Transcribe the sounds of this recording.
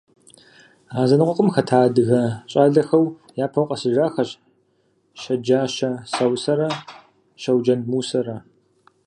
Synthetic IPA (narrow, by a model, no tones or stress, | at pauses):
aːzɐnɨqʷʼɔqʷʼəmxɐtʰaːdɨɣɐɕʼaːɮɐxɐw | jaːpʰɐwqʼɐsɨʒaːxɐɕ | ʃɐd͡ʒaːʃɐsɐwsɐɾɐ | ʃɐwd͡ʒɐnmuːsɐɾɐ